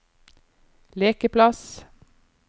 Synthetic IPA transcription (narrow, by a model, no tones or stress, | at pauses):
leːkəpʰlɑs